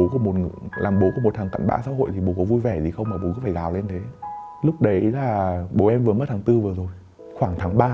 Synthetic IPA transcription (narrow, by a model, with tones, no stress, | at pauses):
o˨˦ku˧˩əmo˨˩t̚lʔaː˨˩mɓo˨˦ku˧˩əm˨˩t̪̚ʰaː˨˩ŋka̰˧˨jŋ̟ɓa̰ː˧˥sa̰ː˧˥ho̰˧˨jt̪ʰi˨˩ɓo˨˩kɔ˨˦vu˧jvɛ˧˩zi˨˩xə˧wŋ͡mmaː˨˩ɓo˨˩kːfaː˧˩zaː˨˩wle˧nt̪ʰe˨˦ | lʊ˦˥k͡p̚ɗə˨˦jlaː˨˩ɓo˨˩ʔɛ˧mvɨ˨˩əmə˦˥t̪ʰaː˨˦ŋt̪ɨ˧vɨ˨˩əzo˨˩j | xwaː˧˩ŋt̪ʰaː˨˦ŋɓaː˧